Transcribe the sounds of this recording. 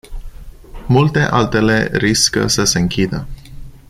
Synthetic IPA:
mult̪e̞ʔa̰lt̪e̞le̞ɾiskə̰səse̞ɨŋkʲid̪ə

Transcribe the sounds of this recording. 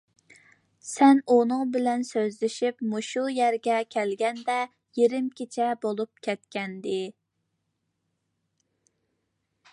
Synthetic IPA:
sɛnunɨŋbɪlɛnsøzlɪʃipmuʃujæɾɡʲɛkʲʰɛlɡʲɛnd̪ɛ | jeɾɪmkʲit͡ʃʰɛbolˠup̚kʲʰɛt̪̚kʲɛnd̪ɪ

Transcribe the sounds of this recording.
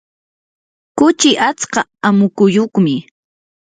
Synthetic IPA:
kʊt͡ʃɪʔat͡sqɑamʊkʊjoχmɪ

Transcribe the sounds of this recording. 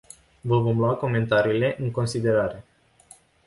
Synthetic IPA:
vəvo̞mluako̞me̞nt̪aɾiːle̞ʔɨŋko̞nsid̪e̞ɾaɾe̞

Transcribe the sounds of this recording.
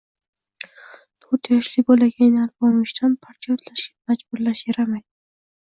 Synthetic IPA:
t̪ʰoɾt̪jɒʃlɪbolaɡʲannalbɒmɪʃt̪ʰanpʰaɾt͡ʃ̪ʰijot̪ʰlaʃɡʲamad͡ʒbʊɾlaʃjeɾamajd̪ɪ

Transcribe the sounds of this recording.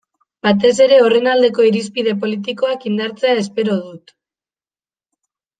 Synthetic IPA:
bat̪̬e̞s̬e̞ɾe̞o̞re̞nald̪e̞ko̞iɾispiðe̞p̬o̞lit̪̬iko̞akind̪aɾt͡se̞ae̞spe̞ɾo̞ðut̪

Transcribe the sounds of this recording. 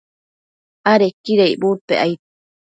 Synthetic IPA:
aɾekiɾejbut̪eʔajt̪e̥

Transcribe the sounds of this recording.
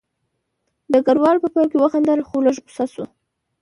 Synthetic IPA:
d̪əɡaɾwɑlpəpɑjkewəxand̪əlxoləʒbu̥sasu

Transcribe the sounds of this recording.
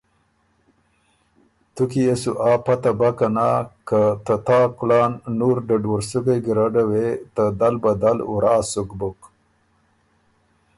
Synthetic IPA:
t̪ukiesuʔaːpat̪abakanakat̪at̪aːklɑːnːuɾɖaɖwaɾsuɡejɡɾaɖawet̪ad̪albad̪alṵɾʔaːsukbʊk

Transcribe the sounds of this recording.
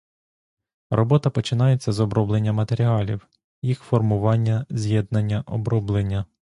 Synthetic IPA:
rɔbɔt̪ɐpɔt͡ʃɪnɑjet͡sʲːɐzɔbɾɔblˠenʲːɐmɐt̪eɾʲiɑlʲḭw | jixfɔrmʊʋɑnʲːɐzʲjɛd̪nɐnʲːɐʔɔbɾɔblˠenʲːɐ

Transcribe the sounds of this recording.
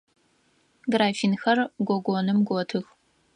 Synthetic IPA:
ɡraːfiːnxɐrɡʷɔɡʷɔnɨmɡʷɔtʰɨx

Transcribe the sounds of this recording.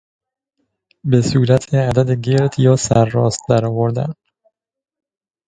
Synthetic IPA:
be̞suːɾæt̪ʰeæd̪æd̪eɟeɾd̪jɒːsæɾːɒ̰ːst̪̚d̪æɾɒːvoɾd̪æ̰n

